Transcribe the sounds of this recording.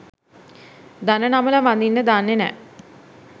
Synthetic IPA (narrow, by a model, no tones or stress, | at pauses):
d̪anənamələmʋand̪inːəd̪anːenɛ̰